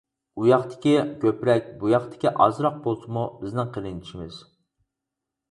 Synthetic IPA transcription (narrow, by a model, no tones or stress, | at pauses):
ujɑχt̪ʰɪ̥kʲikʲʰøpɾɛk̚ʲbujɑχt̪ʰɪ̥kʲiʔɑ̰zɾɑq̚bolˠsʰɨmubɪznɪŋqʰəɾɨnʰi̥ʃimɪz̥